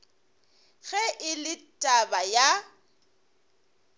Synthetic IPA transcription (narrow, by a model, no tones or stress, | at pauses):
ɣɛʔɪlɪtʼabaja